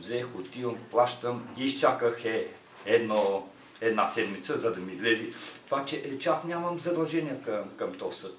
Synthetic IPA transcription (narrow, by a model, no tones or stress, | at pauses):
zɛxot̪ilˠplˠaʃt̪əmiːst͡ʃakəxɛ | ɛd̪nɔ | ɛd̪nasɛd̪mit̪səzɐd̪ɐmiːzlɛzit̪ovat͡ʃɛʔt͡ʃɛasnʲjaməmzɐd̪ɐlˠʒɛniɛkəmkɐmt̪ɔsət̪̚